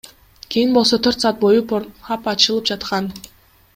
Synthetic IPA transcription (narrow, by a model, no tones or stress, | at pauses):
kʲʰejinbo̞lˠso̞t̪ʰøɾt̪sɑːt̪̚bo̞jupoɑpɑt͡ʃɯlˠɯp̚d͡ʒɑt̪qɑn